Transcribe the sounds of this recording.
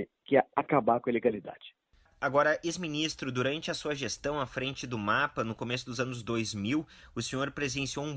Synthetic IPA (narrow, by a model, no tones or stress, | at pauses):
ɪ | kɪɛakabakõeleɡalid̪a̰d͡ʒɪ̥ | aɡɔɾɐʔezminist̪ɾʊd̪uɾɐ̃nt͡ʃɪɐsuɐʒest̪ɐ̃w̃ɐfɾẽnt͡ʃɪd̪ʊmapɐnʊkomesʊd̪ʊzɐ̃nʊzd̪ojzmiwʊsẽɲoɾpɾezd̪ẽsiowũ